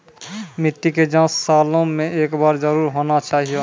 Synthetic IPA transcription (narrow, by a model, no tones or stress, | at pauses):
miʈːiked͡ʒãsalõmẽeːkbaːɾd͡ʒəɾuːɾɦonat͡ʃaːɦijo